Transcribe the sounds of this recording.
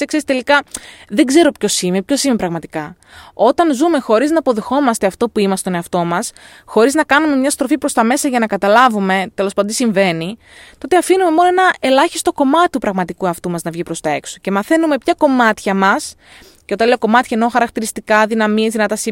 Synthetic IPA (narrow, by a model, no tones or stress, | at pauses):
sekseist̪e̞likɐðe̞ɡze̞ɾo̞pço̞simepço̞simepɾɐɣmɐt̪ikɐ | o̞t̪ɐnzume̞xo̞ɾiznɐːpo̞ðe̞xo̞mɐst̪e̞ɐft̪o̞puimɐst̪one̞ɐft̪o̞mɐs | xo̞ɾiznɐkɐnume̞mɲɐst̪ɾo̞fipɾo̞st̪ɐme̞sɐʝɐnɐkɐt̪ɐlɐvume̞t̪e̞lospɐd̪d̪isiɱve̞ni | t̪ot̪e̞ɐfinume̞mo̞noe̞nɐe̞lɐçi̥st̪o̞ko̞mɐt̪i̥t̪upɾɐɣmɐt̪ikuɐft̪umɐznɐvʝipɾo̞st̪ɐe̞kso̞̥ce̞mɐθe̞nume̞pçɐko̞mɐt̪çɐmɐs | ceo̞t̪ɐnleoko̞mɐt̪çɐeno̞xɐɾɐk̚t̪iɾist̪ikɐðinɐmiezðinɐt̪ɐsi